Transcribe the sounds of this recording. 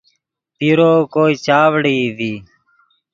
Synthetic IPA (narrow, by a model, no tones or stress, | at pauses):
p̪iɾoːkoːiːt͡ʃaːʋɽiːd̪iː